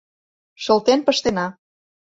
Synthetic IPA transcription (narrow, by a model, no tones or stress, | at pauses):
ʃə̆lt̪enpəʃt̪enɑ